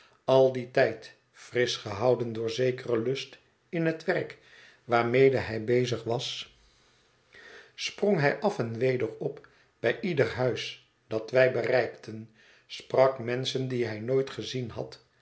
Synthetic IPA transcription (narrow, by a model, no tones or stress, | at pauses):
ɑlˠditɛjt | frɪsχəɦɑwdəndʊːɹzejkərəlɵst | ɪnɦətʋɛɹk | ʋaːɹmejdəɦɛjbejzəχʋɑs | sproŋɦɛjʔɑfɛnʋejdəɹɔp | b̥ɛjʔidəɹɦœɥs | d̥ɑtʋɛjbərɛjktʰən | sprɑkmɛnsəndiɦɛjnojtχəzinɦɑ̰t